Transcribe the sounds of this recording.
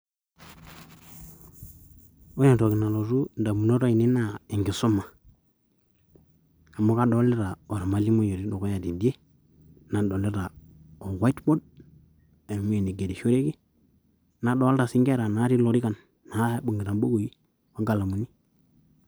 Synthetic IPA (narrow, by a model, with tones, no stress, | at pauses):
o˦ja˨to˨ki˨na˨lo˨ɾu˦nda˨mu˨no˦ɾo˦i˨ni˦na˨e˨ŋɡi˨so˦mːa˨ | a˨mo˦ka˦do˨˦le˦ɾa˨o˨ɾa˨ma˨li˦mo˦jo˨ɾi˦do˨ko˦ja˨di˨bi˦e˦ | na˨do˨le˦ɾa˨ | o˨wa˦i˦tbo˦d̚ | e˨n˨mu˦e˨ni˨ɡe˨di˨ʃo˦ɾe˦ɡi˦ | na˨do˦lɾa˨si˦ŋɡe˦˨ɾa˨na˨˦ɾi˦lo˨ɾi˦ka˨nː | a˨˦ɓu˨ŋɡi˨ɾa˨bo˦ɡo˨ji˦ | wa˦ɡa˨la˨mu˨ni˦